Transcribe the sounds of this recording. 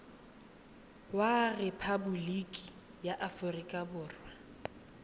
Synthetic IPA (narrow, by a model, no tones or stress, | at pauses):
warɛpʰabʊlikʼi̥ | jaʔafʊrikʼabʊːrwa